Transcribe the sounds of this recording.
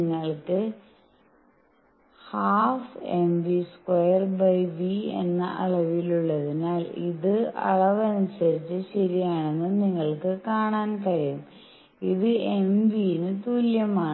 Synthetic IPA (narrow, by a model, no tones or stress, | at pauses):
ŋːɐɭkɨ | haːfemʋiskwojɐrbɐjbiḛnːɐ̰ʔɐ̰ɭɐʋiluɭːɐðinaːlḭðɨɐ̰ɭɐʋɐnisɐɾit͡ɕːɨɕɐɾijaːɳe̞nːɨniŋːɐɭkɨkaːɳaːnkɐɾijum | iðɨembinɨt̪uːljɐmaːɳ